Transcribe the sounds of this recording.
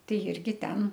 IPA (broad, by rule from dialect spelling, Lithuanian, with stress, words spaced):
ˈtɐɪ ˈɪrʲɡʲɪ ˈtʲɛn